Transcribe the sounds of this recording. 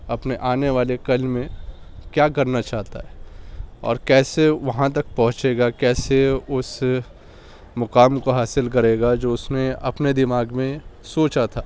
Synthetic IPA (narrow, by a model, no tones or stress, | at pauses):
ɐpneʔaːneʋaːlekɐlmẽ | kjaːkɐɾnat͡ʃaːɦt̪a̰ɦɛ | ɔ̰ːɾkɛːseʋɐɦãt̪̬ɐk̚pɐɦʊ̃t͡ʃeːɡakɛːseʊs | mʊkaːmkoɦaːsɪlk̬ɐɾeːɡad͡ʒoːʊsnẽɐpned̪ɪmaːɡmẽsoːt͡ʃat̪ʰaː